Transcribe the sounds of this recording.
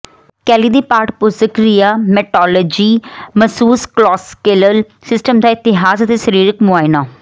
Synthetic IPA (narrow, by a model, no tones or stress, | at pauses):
kɛːliːd̪iːpaːɾʈpʊsəkɾijaːmɛʈɔːləːd͡ʒiːməsuːsklɔːskeːləl | sɪsʈəmd̪aːɪt̪ɪɦaːzət̪esəɾiːɾɪkmʊaːɪnaː